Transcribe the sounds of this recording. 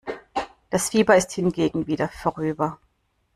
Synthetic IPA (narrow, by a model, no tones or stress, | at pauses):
d̥asfiːbɐɪsthɪnɡeːɡŋ̩viːdɐfoʁyːbɐ